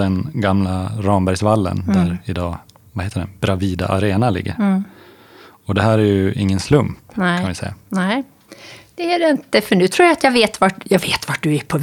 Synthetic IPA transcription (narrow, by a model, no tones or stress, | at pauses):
d̪ɛnɡamlaɾɑːmbæɾjsvalːə̰nd̪æɾɪd̪ɑː | vaheːt̪əɖɛb̥ɾaviːd̪a̰ʔa̰ɾeːnalɪ̰ɡːə̰ɾ | ɔd̪ɛɦæːɾæjɵɪŋːənslɵmpk̪ɛanɪsɛ̰jːa̰nɛ | d̪̥ɛæɖɛɪnt̪əfœɳʉ̟ːt̪ʰɾuːɾjaat̪jɑːɡveːt̪vaʈjɑːɡveːt̪vaʈ̚d̪ɵæpʰɔ